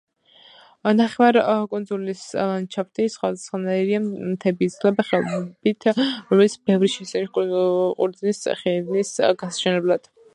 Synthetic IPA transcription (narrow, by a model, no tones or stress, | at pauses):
naχɛvaɾkʼunzulist͡ʃʰaft̪ʰʼisχwad̪asχanaiɾiamt̪ʰɛbiːt̪slɛbaχɛbit̪ʰɾɔmɛlit̪sbɛvɾiʃɛsɛniʃʼqʼṵɾd̪znisχɛvnisɡasḁt͡ʃʰɛnlɛblˠad̪̥